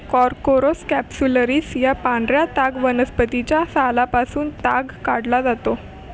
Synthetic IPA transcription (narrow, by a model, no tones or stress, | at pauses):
kɔɾkoɾoskæpsuləɾiːsjapãnd̪ɾjat̪aɡʋənəspət̪it͡ɕjasalapasuːnt̪aɡkaɽlad͡zat̪o